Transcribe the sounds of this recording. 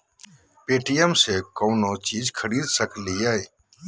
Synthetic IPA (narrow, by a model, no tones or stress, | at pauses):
peːʈijəmseːkõːnoːt͡ʃiːzkʰəɾiːd̪səkʰliːaːeː